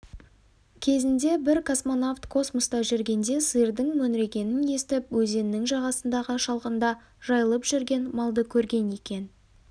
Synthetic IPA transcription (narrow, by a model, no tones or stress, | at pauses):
kʲʰe̞zɪnd̪e̞bɪɾkʰo̞smo̞naft̪kʰo̞smost̪ɑʒʏɾɡʲe̞nd̪e̞sɨjəɾd̪əɴmɵnɾe̞kʲe̞nɪne̞st̪ɪpwɵze̞nnːɪŋʒɑʁɑsənd̪ɑʁəʃɑlˠqənd̪ɑ | ʒ̥ɑjəlˠəpʒ̥ʏɾɡʲe̞nmɑlˠd̪əkʲʰɵɾɡʲe̞ne̞kʲe̞n